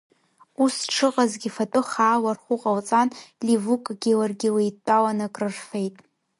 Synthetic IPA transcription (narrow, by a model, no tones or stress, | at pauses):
usʈ͡ʂʰɨqʼazɡʲɪfatʼoχaːwarχʷʊqʼalt͡sʼanlivukʼɡʲilarɡʲɪlejtʷʼawanakʼrɨrfe̞jtʼ